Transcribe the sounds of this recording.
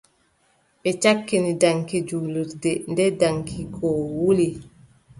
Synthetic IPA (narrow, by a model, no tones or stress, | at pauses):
ɓɛt͡ʃakːinidaŋkid͡ʒuːluɾdɛndɛdaŋkʰiɡɔwuli